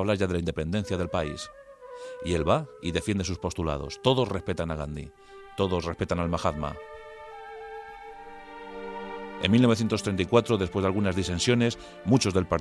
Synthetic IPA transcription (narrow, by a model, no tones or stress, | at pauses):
βlaɾʝaðe̞laind̪e̞pe̞nd̪e̞nθjaðe̞lpaḭs | ie̞lβaiðe̞fje̞nd̪e̞suspo̞st̪ula̰ðo̰st̪o̞ðo̞srespe̞t̪anaɣ̞and̪ḭ | t̪o̞ðo̞sre̞spe̞t̪analmaxaðma̰ | e̞nmilnoβθje̞nt̪ost̪ɾenaikwat̪ɾoðe̞s̬pwe̞zð̞alɣunazðisensjo̞ne̞s | mut͡ʃo̞zðe̞lpaɾ